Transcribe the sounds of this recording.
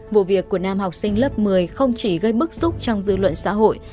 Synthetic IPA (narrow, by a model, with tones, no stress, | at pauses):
vṵ˧˨vi˨˩əkːu˧˩ənaː˧mhɔ˨˩wk͡p̚sï˧ŋ̟lə˦˥p̚mɨ˨˩əjxə˧wŋ͡mt͡ɕi˧˩ɣə˧jɓɨ˦˥k̚zu˦˥k͡p̚t͡ɕɔ˧wŋ͡mzɨ̰˧lwə̰˧˨nsa̰ː˧˥ɦo̰˧˨jʔ